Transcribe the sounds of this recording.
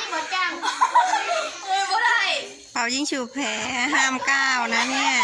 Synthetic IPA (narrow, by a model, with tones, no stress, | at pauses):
mu˨˩˦t̚t͡ɕa˧˩ŋ˧ | a˧˩j | pʰa˨˩wji˧˩ŋsuː˧˩pʰɛː˨˦ɦaː˧˥˩mkaː˧˩wna˧˥ni˧˩ɐ